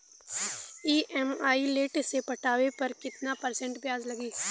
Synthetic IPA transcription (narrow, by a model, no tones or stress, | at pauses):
iːʔɛmaːileːʈsepɐʈaːʋepɐɾkɪt̪napɐɾsɛ̃ɳʈbjaːzlɐɡiː